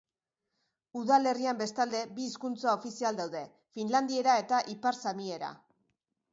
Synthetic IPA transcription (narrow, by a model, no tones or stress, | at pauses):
uðale̞riambe̞st̪ald̪e̞biːskunt͡sao̞fisiald̪awðe̞ | finland̪ie̞ɾae̞t̪aʔipaɾsamie̞ɾa̰